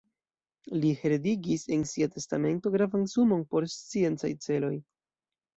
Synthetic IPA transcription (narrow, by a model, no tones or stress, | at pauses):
liheɾediɡise̞nsiate̞stame̞nto̞ɡɾavansumo̞npo̞ɾst͡sie̞nt͡sajt͡se̞lo̞j